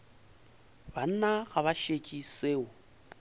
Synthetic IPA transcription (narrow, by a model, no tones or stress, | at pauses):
ban̩naɣaβaʃet͡ʃʼiseːʊ